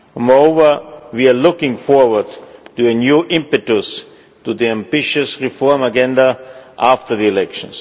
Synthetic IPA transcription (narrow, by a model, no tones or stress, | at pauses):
mɔɹoʊvə˞wialʊkɪ̃ŋfɔɹwə˞dtuənjuːʔɪ̃mpɨtəs | tuðiæ̃mbɪʃɨsɹifɔɹmaɡɛ̃ndaʔaftə˞ðiɛlɛkʃə̃ns